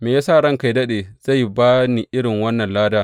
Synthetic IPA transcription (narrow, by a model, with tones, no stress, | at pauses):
meː˨jaː˦saː˦˨ɽɐ˦ŋka˨jdɐ˦ɗeː˨z̥a˦˨jbaː˦ni˨ʔɪ˦ɽɪ˨ŋwɐ˦nːɐ˨nlaː˦daː˦